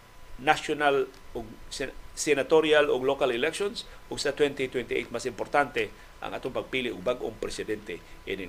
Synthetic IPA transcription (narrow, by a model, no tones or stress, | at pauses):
nasjonal | oɡssɛnat̪oɾjaloɡlokalɪlɛkʃonsʔoɡsat̪wɛnt̪it̪wɛnt̪iʔḛjt̪̚masɪmpoɾt̪ant̪e | ʔa̰ŋʔa̰t̪oŋpɐɡ̚piliʔoɡ̚baɡʔo̰ŋpɾɛsɪd̪ɛnt̪ɛʔɪnɪ